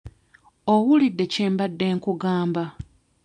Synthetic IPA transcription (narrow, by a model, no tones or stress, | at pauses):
owulidːe̞ceːmbadːe̞ːŋkuɡaːmba